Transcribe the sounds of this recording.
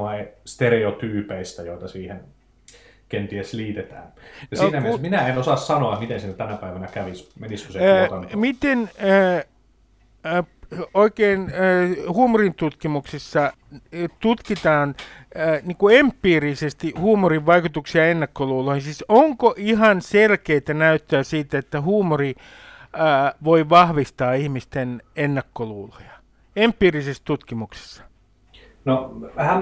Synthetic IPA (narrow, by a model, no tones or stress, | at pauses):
ɑst̪ereot̪yːpeist̪æjoit̪ɑsiːhen | kent̪iesliːt̪et̪æ̰ːnjɑnsonæmissminæenosɑssɑnoɑtmit̪ensinːæt̪ænæpæiʋænækæʋismeniskuset̪ɑnmit̪enː | oikeːnːhuːmurint̪ut̪kimuksesːɑ | t̪ut̪kit̪ɑːnːniːŋkuempːiːrisest̪ihuːmoriʋʋɑikut̪uksiɑenːɑkːoluːloihinsisoŋkoʔihɑnselkeit̪ænæyt̪ːøːsiːt̪et̪ːæhuːmori | ʋoiʋɑhʋist̪ɑːihmist̪enenːɑkːoluːlojɑ̥ | empːˑiːrisest̪ut̪kimukse̥sːɑ̥ | noʋæhæ